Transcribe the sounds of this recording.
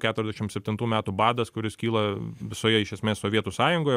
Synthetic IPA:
kʲæːt̪ʊɾʲɛzʲd̪ʲɛʃʲɪmtsʲɛp̚ʲt̪ʲɪnt̪uːmʲæːt̪ubɑːd̪ɐskʊɾʲɪskʲiːlˠɐʋʲɪsoːjɛɪʃʲɛsʲmʲeːssoːʋʲiɛt̪uːsɑːjʊŋɡoːjɛ

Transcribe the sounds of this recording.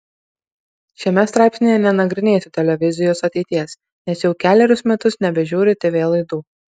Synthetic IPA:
ʃʲɛmʲɛst̪ɾɑˑɪpʲsʲnʲejɛnʲɛnɐɡɾʲɪnʲeːsʲʊt̪ʲɛlʲɛʋʲɪzʲɪjoːsɐt̪ʲɛɪt̪ʲiɛs | nʲɛsjɛʊkʲæːlʲɛɾʲʊsmʲɛt̪ʊsnʲɛbʲɛʒʲuːɾʲɪt̪ʲɪʋʲeːlˠɐɪd̪uː

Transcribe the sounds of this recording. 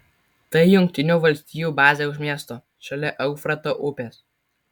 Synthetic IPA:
t̪ɐɪjʊŋʲk̚ʲt̪ʲɪnʲuːˑʋɐlʲsʲt̪ʲiːjuːˑbɑːzʲeːʊʃmʲiɛst̪oː | ʃɐlʲɛʔɐʊfɾɐt̪oːʔʊpʲeːs

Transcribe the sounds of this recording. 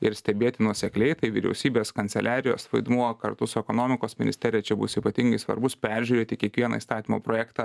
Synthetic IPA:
ɪɾsʲt̪ʲɛbʲeːt̪ʲɪnuɔsʲɛklʲɛɪt̪ɐɪʋʲɪɾʲɛ̰ʊsʲiːbʲeːskɐnʲsʲɛlʲʔæːɾʲɪjo̰ːsʋɐɪd̪muɔkɐɾt̪ʊsʊɛkonoːmʲɪkoːsmʲɪnʲɪsʲt̪ʲɛːɾʲɪjɛt͡ʃʲɛbʊ̰siːpɐt̪ʲɪŋɡɐɪsʋɐ̰ɾbʊspʲæɾʲʒʲuːɾʲeːt̪ʲɪkʲiɛkʋʲiɛnɐ̰ist̪ɑːt̪ʲiːmo̰ːpɾoːjæːkt̪ɑ

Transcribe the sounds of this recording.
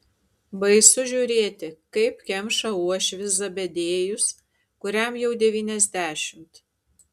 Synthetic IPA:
bɐɪsʊʒʲuːɾʲeːt̪ʲɪkɐɪpkʲɛmʃɐuɔʃʲʋʲɪszɐbʲɛd̪ʲeːjʊs | kʊɾʲæmjɛʊd̪ʲɛʋʲiːnʲɛzʲd̪ʲæːʃʲɪmt̪

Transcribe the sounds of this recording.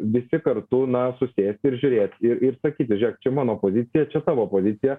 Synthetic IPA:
ʋʲɪsʲɪkɐɾt̪ʊnɐsʊsʲeːsʲt̪ʲɪɾʒʲʊɾʲeːt̪ʲɪɾɪɾsɐkʲiːt̪ʲɪʒʲɛk̚t͡ʃʲɛmɑːnoːpoːzʲɪt̪sʲɪjɛt͡ʃʲɛt̪ɑːʋoːpoːzʲɪt̪sʲɪjɛ

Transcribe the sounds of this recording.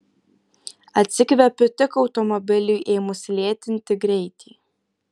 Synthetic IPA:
ɐt̪ʲsʲɪkʋʲɛpʲʊt̪ʲɪkɒʊt̪ɔmɔbʲɪlʲʊɪʔeːmʊsʲlʲeːt̪ʲɪnʲt̪ʲɪɡɾʲɛɪt̪ʲiː

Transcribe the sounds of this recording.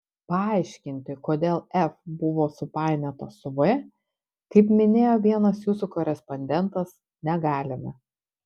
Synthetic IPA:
pɐɑˑɪʃʲkʲɪnʲt̪ʲɪkoːd̪ʲeːlˠɛfbʊʋoːsʊpɑˑɪnʲɛt̪osʊʋe | kɐɪpmʲɪnʲeːjoːʋʲiɛnɐsjuːsukɔɾʲɛspɔnʲd̪ʲɛnˑt̪ɐs | nʲɛɡɑːlʲɪmʲɛ̰

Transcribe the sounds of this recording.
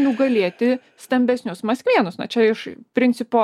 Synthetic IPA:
nʲʊɡɐlʲeɛt̪ʲɪ | st̪ɐmʲbʲɛsʲnʲʊsmɐsʲkʲʋʲiɛnʊsnɐ̰t͡ʃʲɛɪʃpʲɾʲɪnʲt̪t͡ssʲɪpoː

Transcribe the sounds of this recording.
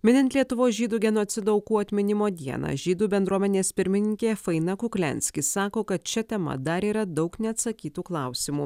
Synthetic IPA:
mʲɪnʲɪnt̪ʲlʲiɛt̪ʊʋoːsʒʲiːd̪uːɡʲɛnoːt̪sʲɪd̪oɐʊkuːɐt̪ʲmʲɪnʲɪmoːd̪ʲiɛnɑ̰ːʒʲiːd̪uːbʲɛnd̪ɾuɔmʲɛnʲeːspʲɪɾʲmʲɪnʲɪŋʲkʲeːfɐɪnɐkʊklʲɛ̰nʲsʲkʲɪsɑːkoːkɐt̪̚t͡ʃʲɛt̪ʲɛmɐ̰d̪ɐɾiːɾɐd̪ɒʊknʲɛɐt̪sɐkʲiːt̪uːklˠɑˑʊsʲɪmuː

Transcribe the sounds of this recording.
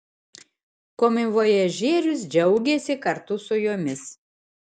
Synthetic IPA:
koːmʲɪʋoːjɛʒʲeːɾʲʊs̬d͡ʒʲɛʊɡʲeːsʲɪkɐɾt̪ʊsʊjoːmʲɪs

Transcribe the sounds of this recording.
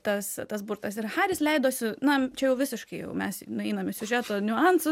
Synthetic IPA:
t̪ɐst̪ɐs̬bʊɾt̪ɐsɪrxɑːɾʲɪslʲɛɪd̪oːsʲɪnɐt͡ʃʲɛjɛʊʋʲɪsʲɪʃkɐɪjɛ̰ʊmʲɛsnʊɛɪnɐmʲɪsʲʊʒʲæːt̪oːnʲʊɑnsʊ

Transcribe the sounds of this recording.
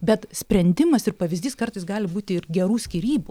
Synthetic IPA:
bʲɛt̪sʲpʲɾʲɛnʲd̪ʲɪmɐsɪrpɐʋʲɪzʲd̪ʲiːskɐrt̪ɐɪsɡɑːlʲɪbuːt̪ʲɪɪrɡʲɛɾuːsʲkʲiɾʲiːbu

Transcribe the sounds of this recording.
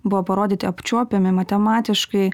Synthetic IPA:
bʊʋoːpɐɾoːd̪ʲiːt̪ʲɪɐpʲt͡ʃʲuɔpʲemʲɪmɐt̪ʲɛmɑːt̪ʲɪʃkɐɪ

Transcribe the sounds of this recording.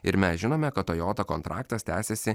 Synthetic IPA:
ɪɾmʲɛsʒʲɪnoːmʲɛkɐt̪oːjoːt̪ɐkɔnt̪ɾʔɑːkt̪ɐst̪ʲæːsʲɛsʲɪ

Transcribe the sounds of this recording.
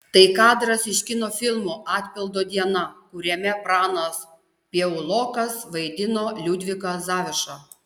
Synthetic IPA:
t̪ɐɪkɑːd̪ɾɐsɪʃʲkʲɪnoːfʲɪlˠmuɑːt̪ʲpʲɪlˠd̪oːd̪ʲiɛnɐkʊɾʲɛmʲɛpɾɑːnɐs | pʲiɛʊlˠoːkɐsʋɐɪd̪ʲɪnoːlʲud̪ʲʋʲɪkɐzɑːʋʲɪʃɑ

